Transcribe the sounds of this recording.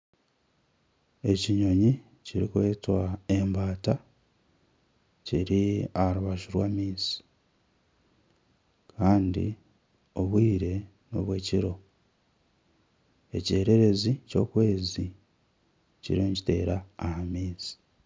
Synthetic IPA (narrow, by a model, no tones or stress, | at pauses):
e̞ciɲo̞ɲi | ciɾḭkwe̞ːtwae̞mbaːta | ciɾiahɾuβaʃuɾwaːmiːsi̥ | kʰaːndḭ | oβwiːɾe̞ | no̞̰βwe̞ːciɾo̞ | e̞̰ce̞ːɾe̞ɾe̞zico̞kwe̞ːzi | cḭɾoɲci̥te̞̰ːɾaːhamiːsi̥